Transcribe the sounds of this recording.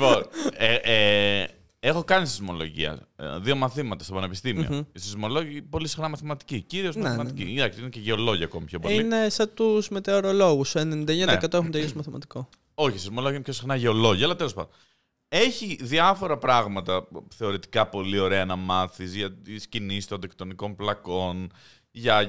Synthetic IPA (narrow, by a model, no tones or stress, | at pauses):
iponee | e̞xo̞kɐnisizmo̞lo̞̰ʝḭɐ̰ðio̞mɐθimɐt̪ɐstopɐne̞pist̪imḭoisizmo̞loʝpo̞lisi̥xnɐmɐθimɐt̪i̥ciciɾiosmmɐt̪icḭinɐkstineceʝeo̞lo̞ʝɐːkomipçʰopoinesɐt̪uzme̞t̪e̞oɾo̞lo̞ɣusoenenĩnd̪ɐeɲɐnekɐt̪oexunt̪elismɐθimɐ̰t̪i̥ko | o̞çisizmo̞lo̞ʝɐnpçosixnɐʝeo̞lo̞ʝɐːlɐt̪elospɐ̰nd̪on | e̞çiðiɐfo̞ɾɐpɾɐɣmɐt̪ɐθe̞o̞ɾit̪i̥kɐpo̞lio̞ɾe̞ɐnɐmɐθizʝɐt̪iscinisi̥t̪ond̪ekt̪o̞niko̞nplɐko̞n | ʝɐ